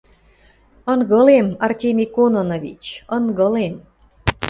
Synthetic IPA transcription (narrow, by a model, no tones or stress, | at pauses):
ɤ̆nɣɤ̆lemɑrtʲemʲikonŏnoβḭt͡ɕɤnɣɤ̆lem